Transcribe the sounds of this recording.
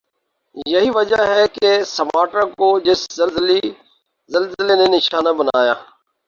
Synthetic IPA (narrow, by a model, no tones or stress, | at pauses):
jəɦiːʋəd͡ʒaɦɛkesəmaːʈãkod͡ʒɪszəlzli | zəlzɪleːnenɪʃaːnabənaːja̰ː